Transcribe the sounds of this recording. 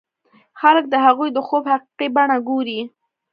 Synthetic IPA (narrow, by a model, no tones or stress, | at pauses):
xalək̚d̪əɦaɣujd̪əxobhaqi̥qibaɳaɡoɾi